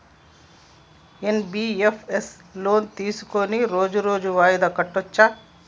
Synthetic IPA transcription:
enbiːepʰes | loːnt̪iːsu̥koniɾoːd͡ʒuɾoːd͡ʒuʋaːjid̪ɐkɐʈːot͡ʃːɐ

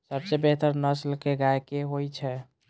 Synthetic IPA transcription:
səbsebeɦt̪əɾnəslkeɡajkeɦojt͡ʃʰɛ

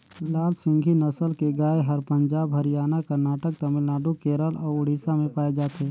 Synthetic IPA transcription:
laːlsɪ̃ŋɡʱinəsəlkeɡaːeɦɐɾpə̃ɲd͡ʒaːbɦɐɾɪjaːnakɐɾnaːʈək̚t̪ɐmɪlnaːɖukeːɾəlɔːɾʊɽ̤iːsamẽpaːed͡ʒaːt̪eː

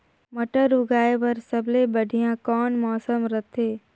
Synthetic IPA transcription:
məʈəɾʊɡaːeʋɐɾsəblebəɽʱijãkɔːnmɔːsəmɾət̪ʰeː

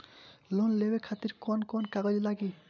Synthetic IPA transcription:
lɔnlebekʰat̪iɾkɔnkɔnkaɡɔd͡ʒilaɡi

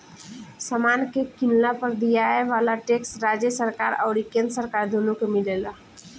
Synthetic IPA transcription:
samaːnkekɪnlapəɾd̪ijaeʋaːlaʈeksɾaːd͡ʒjəsəɾkaːɾɔːɾikẽnd̪səɾkaːɾd̪ʱoːnukemɪleːla

